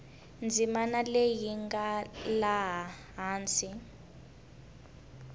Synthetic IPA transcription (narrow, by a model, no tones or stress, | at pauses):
nd͡zʱimanalejiŋɡalaɦa | ɦaːnt͡si